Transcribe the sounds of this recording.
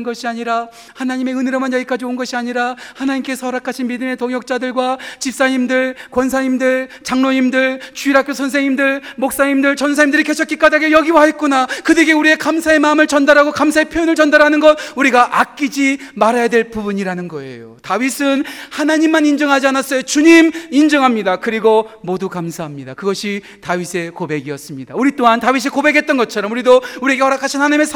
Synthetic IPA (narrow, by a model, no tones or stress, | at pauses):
nɡʌɕʰiaɲiɾa | hanaɲime̞ɯneɾʌmanjʌɡik͈ad͡ʑioɯnɡʌɕʰiaɲiɾahanaɲimk͈esʰʌɾakʰaɕʰinmidɯme̞toŋjʌk̚t͡ɕ͈adɯɭɡwat͡ɕip̚s͈aɲimdɯɭkwʌnsʰaɲimdɯɭt͡ɕaŋnoɲimdɯɭt͡ɕuiɾɦakjosʰʌns̬ʰeŋimdɯɭmok̚s͈aɲimdɯɭt͡ɕʌnsʰaɲimdɯɾike̞t͡ɕʰʌt̚k͈ik͈adaɡejʌɡiwaɦe̞t̚k͈unakɯdeɡeuɾie̞kamsʰae̞maɯmɯɭt͡ɕʌndaɾɦaɡokams̬ʰae̞pʰjojonɯɭt͡ɕʌndaɾɦanɯnɡʌt̚uɾiɡaʔak͈id͡ʑimaɾajadwe̞ɭpubuɲiɾanɯnɡʌe̞̰jo̰tawɥisʰɯnhanaɲimːanind͡ʑʌŋɦad͡ʑianas͈ʌjot͡ɕuɲimind͡ʑʌŋɦamɲidakɯɾiɡomodukamsʰaɦamɲidakɯɡʌɕʰi | taɥisʰe̞kobe̞ɡiʌs͈ɯmɲidauɾit͈oɦantawis̬ʰikobe̞ɡe̞t̚t͈ʌnɡʌt͡ɕʰʌɾʌmuɾidouɾie̞ɡe̞hʌɾakʰaɕʰinhanaɲime̞sʰ